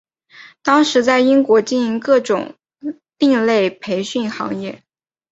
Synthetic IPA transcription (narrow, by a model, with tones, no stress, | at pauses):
t̪ɑ˥ŋʂɻ̩˧˥t͡sa˥˩ɪi˥ŋkwɔ˧˥t͡ɕi˥˩ni˧˥ŋkɤ˥˩ʈ͡ʂʊ̰˨˩ŋ | t̪i˥˧ŋle˥˩ɪpʰe˧˥ɪɕy˥˩nxɑ̰˧˥ŋjɛ˥˩